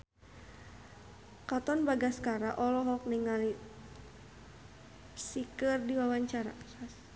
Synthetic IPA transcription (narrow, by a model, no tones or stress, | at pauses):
kat̪ɔnbaɡaskaɾaʔɔlɔɦɔk̚niŋali | sikɨrdiwawaɲt͡ʃaɾa̰as